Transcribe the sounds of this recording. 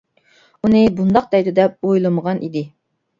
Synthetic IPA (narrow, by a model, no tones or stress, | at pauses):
unɨbund̪ɑq̚d̪ɛjd̪ɪd̪ɛp̚ojlˠɨməʁɑnʔid̪ɪ